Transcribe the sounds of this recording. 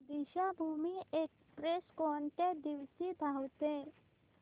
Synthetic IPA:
d̪iɕabʱumiek | pɾeskɔɳʈed̪iʋsid̪ʱawt̪e

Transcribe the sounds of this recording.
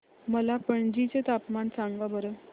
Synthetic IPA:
məlapəɳd͡ʑit͡ɕet̪apmansaŋɡabəɾə

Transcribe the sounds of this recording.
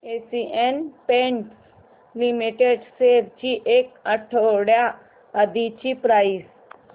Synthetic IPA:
esiʔenpẽɳʈ | limiʈeɽseɾt͡ɕiʔekəʈʰoɽja | əd̪it͡ɕipɾajis

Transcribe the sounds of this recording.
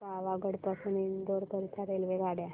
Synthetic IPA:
kaʋaɡəɽpəsunind̪oɾpəɾit̪ʰaɾelʋeɡaɽja

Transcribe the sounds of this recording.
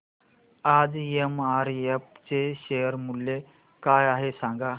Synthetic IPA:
ad͡zemaɾep̚t͡seɕejəɾmulːe | kajaɦesãŋɡa

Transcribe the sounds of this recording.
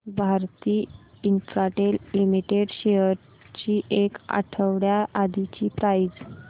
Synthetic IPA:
bʱaɾt̪iːintɾaʈelimiʈeɽɕejəɾ | t͡ɕiːʔeka̰ʈʰəʋɽjaʔad̪it͡ɕiːpɾajd͡z

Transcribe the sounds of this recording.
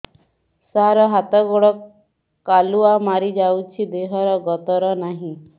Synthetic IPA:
saɾɔɦat̪ɔɡɔɽɔ | aluamaɾid͡ʒawt͡ʃʰid̪eɦɔɾɔɡɔt̪ɔɾɔnaɦĩ

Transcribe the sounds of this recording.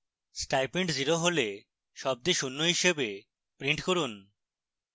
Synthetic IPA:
sʈajpeɳʈziɾoɦole | ʃɔb̚d̪eʃunːoɦiʃebe | pɾiɳʈkoɾun

